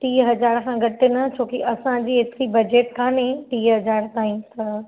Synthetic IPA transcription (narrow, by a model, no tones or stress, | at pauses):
ʈiːɦɐd͡ʑaːɾkʰãɡɐʈɪnɐt͡ɕʰoːkiʔɐsãd͡ʑiːɦet̪ɪɾibɐd͡ʑeːʈkaːnẽʈiːɦɐd͡ʑaːɾt̪aːĩs